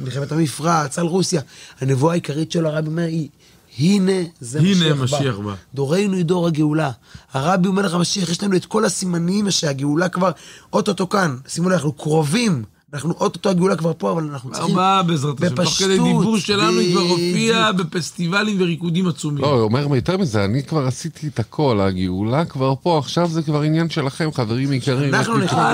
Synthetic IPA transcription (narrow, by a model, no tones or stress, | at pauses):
milχemet̪amifʁat͡salʁusjahane̞vuaːikaʁitʃeloaʁabiomeʁi | hine̞zeiʃnemaʃbaiaba̰d̪o̞ʁe̞jnuid̪o̞ʁhaɡeulahaʁabiomeleamaʃiaχjeʃlanuet̪ko̞lhasimaniimaʃeaɡeulakvaʁʔo̞t̪ot̪o̞kansimonanaχnukʁovim | anaχnuʔo̞t̪ot̪oaɡeulakvaʁpo̞avalanaχnu̥χiabezʁat̪bepaoχed̪ejd̪iuʃelanukvaʁofiabefest̪ivalimveʁikud̪imat͡sumioome̞ʁmajot̪e̞ʁmizeanikvaʁasit̪it̪akʰo̞laɡeulakvaʁpo̞aχʃavzekvaʁinjanʃe̞laχe̞mχave̞ʁimikaianaaχnuniχna